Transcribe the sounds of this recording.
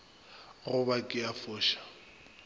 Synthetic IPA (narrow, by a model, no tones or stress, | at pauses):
ɣʊbakʼɪafʊːʃḁ